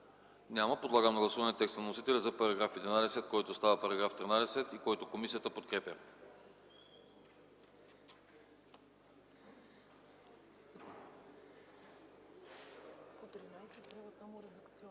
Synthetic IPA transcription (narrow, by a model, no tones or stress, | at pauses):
nʲaməpod̪lˠaɡəmnɐɡlˠɐsuvɐnɛt̪ɛkst̪ənɐnosit̪ɛlʲɛzɐpɐɾɐɡɾafɛd̪ɛnad̪ɛsɛt̪̚kɔjt̪ost̪avəpɐɾɐɡɾaft̪ɾinad̪ɛsɛt̪ikɔjt̪okomisiət̪əpot̪̚kɾɛpʲjə | t̪ɾinaɛaɛd̪ɐkt̪s